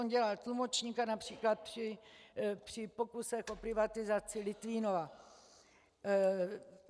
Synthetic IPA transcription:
onɟɛlalt̪lumot͡ʃɲiːkanapr̝̥iːklat̪̚prɪ | pr̝̥ɪpo̞kusɛxʔo̞pɾɪvat̪ɪzat͡sɪlɪt̪viːnova

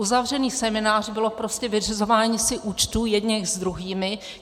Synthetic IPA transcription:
uzavr̝ɛniːsɛmɪnaːr̝bɪlo̞pɾo̞scɛvɪr̝ɪzo̞vaːɲiːsɪʔuːt͡ʃt̪uːjɛdɲɛxzd̪ɾuɦiːmɪ

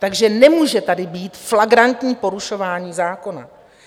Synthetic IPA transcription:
t̪aɡʒɛnɛmuːʒɛt̪adɪbiːt̪flaɡɾant̪ɲiːpo̞ɾuʃo̞vaːɲiːzaːko̞na̰

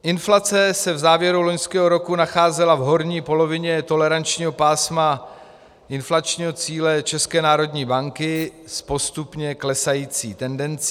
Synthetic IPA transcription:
ʔɪnflat͡sɛsɛvzaːvjɛɾulo̞ɲskɛːɦo̞ɾo̞kunaxaːzɛlavɦo̞ɾɲiːpo̞lo̞vɪɲɛt̪o̞lɛɾant͡ʃɲiːɦo̞paːsma | ʔɪnflat͡ʃɲiːɦo̞t͡siːlɛt͡ʃɛskɛːnaːɾo̞dɲiːbaŋkɪ | spo̞st̪upɲɛklɛsajiːt͡sḭːt̪ɛndɛnt͡s

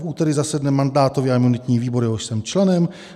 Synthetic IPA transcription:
fʔuːt̪ɛɾɪzasɛdnɛmːandaːt̪ovɪaɪmunɪt̪ɲiːviːbo̞ɾjɛɦoʃsɛmt͡ʃlɛnɛm

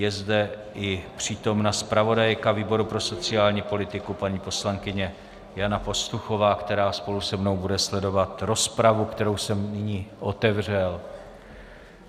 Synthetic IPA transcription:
jɛzdɛʔɪpr̝̥iːt̪o̞mnaspɾavo̞dajkaviːbo̞ɾupɾo̞so̞t͡sɪaːlɲiːpo̞lɪt̪ɪkupaɲiːpo̞slaŋkɪɲɛ | janapo̞st̪uxo̞vaːkt̪ɛɾaːspo̞lusɛmno̞wbudɛslɛdo̞vat̪ɾo̞spɾavukt̪ɛɾo̞wsɛmnɪɲiːʔo̞t̪ɛvr̝ɛl

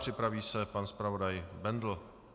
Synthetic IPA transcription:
r̥ɪpɾaviːsɛpanspɾavodajbɛnd̪l̩

